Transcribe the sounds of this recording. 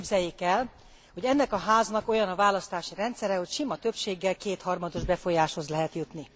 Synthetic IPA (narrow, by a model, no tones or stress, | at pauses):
bzɛjːekɛl | ho̞ɟɛnːɛkɒɦaːznɒko̞jɒnɒvaːlɒst̪aːʃiɾɛnt̪sɛɾɛho̞cʃimɒt̪ø̞pʃeːɡːɛlkeːt̪hɒrmɒd̪o̞ʒbɛfo̞jaːʃho̞zlɛɦɛt̪jut̪ni